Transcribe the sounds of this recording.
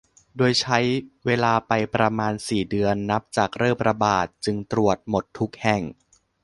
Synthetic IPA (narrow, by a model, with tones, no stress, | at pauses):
doː˧jt͡ɕʰa˦˥jweː˧laː˧pa˧jpɾa˧maː˧nsiː˨˩dɯ˧ənːa˦˥p̚t͡ɕaː˨˩k̚ɾɤː˥˩mɾa˧baː˨˩t̪̚t͡ɕɯ˧ŋt̪ɾu˨˩ət̪̚mo˨˩t̪ʰːu˦˥k̚hɛ˨˩ŋ